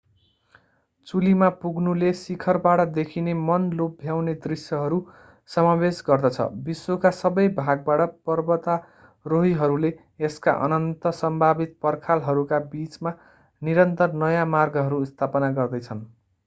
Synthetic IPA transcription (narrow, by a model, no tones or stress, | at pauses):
t͡sulimapuɡnulesikʰʌrbaʈʌd̪ekʰinemʌnlobbʱjawned̪risjʌɦʌɾu | sʌmabesɡʌrd̪ʌt͡sʰʌ̰biswokasʌbʌjbʱaɡ̚baʈʌpʌrbʌt̪a | roɦiɦʌɾuleː | ska̰ʔʌ̰nʌnt̪ʌsʌmbʱabit̪̚pʌrkʰalɦʌɾukabit͡sma | niɾʌnt̪ʌrnʌjamarɡʌɦʌɾust̪ʰapʌnaɡʌrd̪ʌjt͡sʰʌn